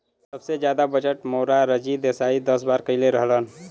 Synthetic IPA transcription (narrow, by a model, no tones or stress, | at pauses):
səbsed͡ʒjad̪abəd͡ʒəʈmoɾaɾəd͡ʒid̪esaid̪əsbaɾkəɪleɾəɦlən